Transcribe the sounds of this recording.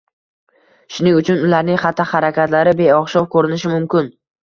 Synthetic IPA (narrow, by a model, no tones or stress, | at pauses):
ʃʊnɪŋʊt͡ʃʰʊnʊlaɾnɪŋχat̪ʰːahaɾakʲat̪laɾɪbe̞jɒχʃɒwkʰɵɾɪnɪʃɪmʊmkʲɪn